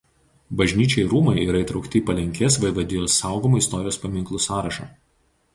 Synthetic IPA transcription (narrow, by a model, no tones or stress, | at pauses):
bɐʒʲnʲiːt͡ʃʲɛɪɾuːmɐɪiːɾɐɪˑt̪ɾɒʊkt̪ʲɪːpɐlʲɛŋʲkʲeːs̬ʋɐɪʋɐd̪ʲɪjoːsɑˑʊɡomoɪst̪ɔɾʲɪjoːspɐmʲɪŋklˠʊsɑːɾɐʃɑ̰ː